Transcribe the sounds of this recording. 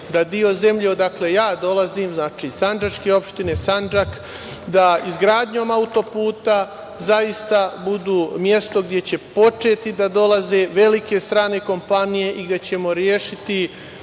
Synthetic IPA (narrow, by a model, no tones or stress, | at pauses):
d̪ad̪io̞ze̞mʎeod̪akle̞jaːd̪o̞lˠaziːmznaːt͡ʃiːsand͡ʒat͡ʃke̞o̞pʃt̪ine̞sand͡ʒak | d̪aizɡɾaːd̪ɲo̞ːmaut̪o̞puːt̪a | zajist̪abud̪uːmje̞st̪o̞ɡd̪ʲjet͡ɕe̞po̞t͡ʃe̞ːt̪id̪ad̪o̞laze̞ʋe̞like̞st̪ɾaːne̞ko̞mpanije̞ʔiɡd̪je̞t͡ɕe̞mo̞ɾjeːʃit̪i